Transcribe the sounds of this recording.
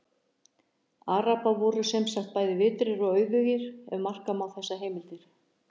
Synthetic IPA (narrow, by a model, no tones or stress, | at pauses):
aːɾapavɔːɾʏsɛmsaxt̪̚paːjðɪvɪːt̪ɾɪɾɔɣœːɥvʏɣɪɾɛ̰mar̥kamawθɛsːaɦeːjmɪlt̪ɪɾ̥